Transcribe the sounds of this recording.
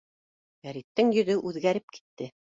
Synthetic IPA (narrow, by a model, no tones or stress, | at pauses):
ɡæɾit̪ːɘŋjɵ̆ðɵʔʉðɡæɾɘp̚ki̥t̪ːɘ